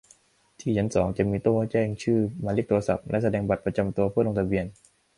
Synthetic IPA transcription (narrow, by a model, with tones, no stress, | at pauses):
t̪ʰiː˥˩t͡ɕʰa˦˥nsɔː˩˦ŋt͡ɕa˨˩miː˧t̪oː˥˩ka˦˥˩t͡ɕɛː˥˩ŋt͡ɕʰɯː˥˩maː˧le˦˥k̚t̪u˧ɐsa̰˨˩p̚lʔɛ˦˥ʔsa˧dɛː˧ŋba˨˩t̪̚pɾa˧t͡ɕa˧mt̪u˧ɐpʰːt̪̚lo˧t̪ʰa˧bi˧ən